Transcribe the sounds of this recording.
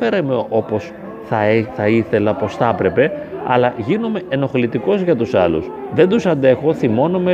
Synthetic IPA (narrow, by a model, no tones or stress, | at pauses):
eɾemeo̞po̞s | θɐθɐiθe̞lɐpo̞sθɐpɾe̞pe̞ɐ̰lɐʝinome̞ʔeno̞xlit̪iko̞zʝɐt̪usɐlṵsðe̞nd̪usɐnd̪e̞xo̞θimo̞nome